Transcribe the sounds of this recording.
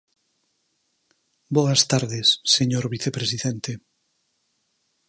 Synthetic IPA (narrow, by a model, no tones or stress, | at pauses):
bɔɐst̪aɾðɪsːeɲoɾβiθepɾesiðɛnt̪e